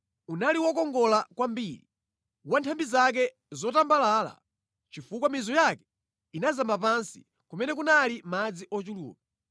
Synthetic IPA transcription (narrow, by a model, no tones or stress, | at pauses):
unaliwɔkɔŋɡɔlakwambiːɾi | wantʰambizak̬ɛ | zɔtambalaːla̰ | t͡ʃifukwamizɔjakɛ̥ | inazambap̬ansi̥ | kumɛnɛk̬unalimad͡ziʔɔt͡ʃulṵːpa